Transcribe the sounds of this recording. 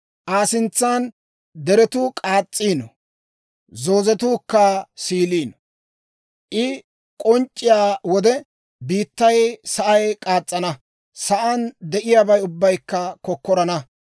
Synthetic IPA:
ʔaːsɪnt͡sːaːn | d̪ɛɾɛt̪ukʼaːt͡sʼːiːnɔ | zo̞ːzɛt̪uːkːasiːliːnɔ | ʔɪ | kʼɔnt͡ʃʼːɪjaːwɔd̪ɛ | biːt̪ːɐjsɐʔɐjkʼaːt͡sʼːɐnɐ | sɐʔɐnd̪ɛʔɪjaːbɐjʊbːɐjkːɐkɔkːɔɾɐnɐ

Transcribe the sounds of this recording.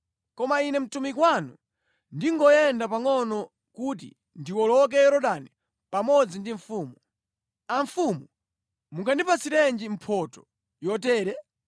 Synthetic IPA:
kɔmainɛm̩tumikwanṵ | ndiŋɡɔjɛndapaŋɔnɔ | kut̬ḭ | ndiwɔlɔk̬ɛɛɾɔɗani | pamɔd͡zindiɱ̩fuːmu | aɱ̩fumu | muŋkʰandipʰasiɾɛnd͡ʒim̩pʰɔtɔ̥ | jɔtɛːɾɛ

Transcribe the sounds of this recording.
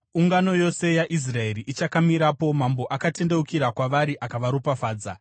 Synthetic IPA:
uŋɡano̞jo̞se̞jaʔis̬rae̞ɾiʔit͡ʃakamiɾapo̞mambo̞ʔakate̞nde̞ukiɾakwaʋaɾiʔakaʋaɾupafaːd͡za

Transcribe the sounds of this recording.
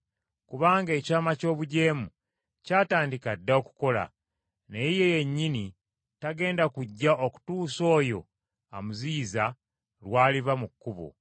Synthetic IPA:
kuβaːŋɡe̞ːcaːmaco̞ːβuɟe̞ːmu | caːtaːndikadːao̞ku̥ko̞la̰ | neije̞je̞ɲːini | taɡe̞ːndakuɟːaoku̥tuːso̞ːjo̞̰ | amuziːza | lwaːliβamukːuβo̰

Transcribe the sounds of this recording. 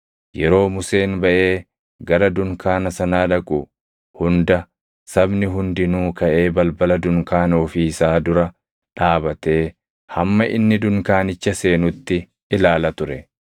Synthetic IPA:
jɛɾo̞ːmʊse̞ːnbɐʔe̞ː | ɡɐɾɐd̪ʊŋkaːnɐsɐnaːᶑɐkʼʊ | hʊnd̪ɐ | sɐbnɪɦʊnd̪ɪnuːkɐʔe̞ːbɐlbɐlɐd̪ʊŋkaːnoːfiːsaːd̪ʊɾɐ | ᶑaːbɐt̪e̞ː | hɐmːɐʔɪ̰nːɪd̪ʊŋkaːnɪt͡ʃːɐse̞ːnʊt̪ːɪ | ʔɪlaːlɐt̪ʊɾɛ

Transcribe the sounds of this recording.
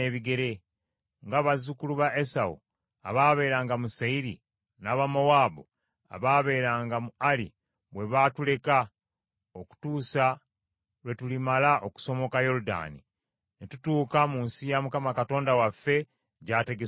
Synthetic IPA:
eβiɡe̞ɾe̞ | ŋɡaːβazukuluβaʔe̞sawṵ | a̰βaːβe̞ːɾaːŋɡamusaiɾḭ | naːβamowaːbo | a̰βaːβe̞ːɾaːŋɡamualḭ | βwe̞βatule̞ka | oku̥tuːsa | lwe̞tulimalaʔo̞ku̥so̞mo̞kajo̞ɾuda̰nḭ | netutuːkamuːnsijamukamakato̞ːndawafːe̞ | ɟaːte̞ɡe

